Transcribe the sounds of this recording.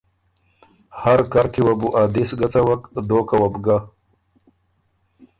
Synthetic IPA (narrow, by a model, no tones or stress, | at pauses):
haɾkaɾkewabuʔad̪isɡat͡sawakd̪oːkawabɡa